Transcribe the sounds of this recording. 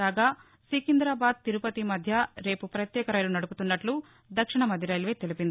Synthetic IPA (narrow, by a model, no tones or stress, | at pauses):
aːɡaː | siːkind̪ɾaːbaːd̪̚t̪iɾupɐt̪imɐd̪ʱjɐɾe̞ːpupɾɐt̪jɛːkɐɾɐːjɐlunɐɽuput̪unːɐʈlu | d̪ɐkʂiɳɐmɐd̪ʱiɾɐːjlʋeːt̪elipind̪i